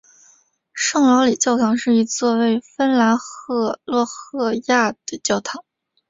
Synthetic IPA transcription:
ʂɤ˥˩ŋlɑ˧˥ʊli˨˩t͡ɕjɑ˥˩ʊt̪ʰɑ˧˥ŋʂɻ̩˥˩i˧˥t͡swɔ˥˧we˥˩ɪfə˥nla˧˥nxɤ˥˧lwɔ˥˧xɤ˥˧ja˥˩d̪ə˩t͡ɕjɑ˥˩ʊt̪ʰɑ˧˥˦ŋ

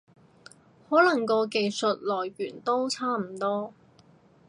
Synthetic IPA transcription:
hɔː˨˥lɐ˨˩ŋkɔː˧ke˨˧jsɵ˨t̚lɔː˨˩jɥyː˨˩nt̪o˥wt͡sʰaː˥m̩˨˩t̪ɔː˥

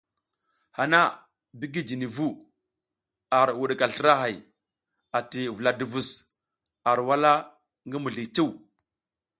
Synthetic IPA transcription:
ha˨na˦ | bi˦ɡi˦d͡ʒi˨ni˨vu˦ | a˨ɾwu˨ɗka˨ɬi˦ɾa˦ɦa˨j | a˨ti˨vu˨la˨du˨vu˨s | a˨ɾwa˦la˦ | ŋɡi˦mu˨ɮi˨t͡ʃu˦˨w

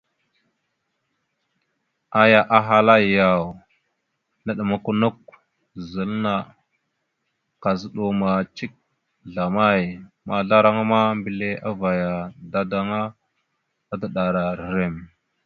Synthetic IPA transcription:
a˦ja˨ʔa˨ɦa˦la˦˨ja˨w | na˦˨ɗə˨ma˦ku˦nu˦k̚ | zə˨lna˨ | ka˨zə˦ɗo˨ma˨t͡ʃi˦k̚ | ɮa˨ma˦˨j | ma˨ɮa˦ɾa˦ŋa˦ma˦mbi˨le˦a˦va˨ja˨da˦da˦ŋa˦ | a˦da˨ɗa˨ɾa˨ɾɾe˦˨m

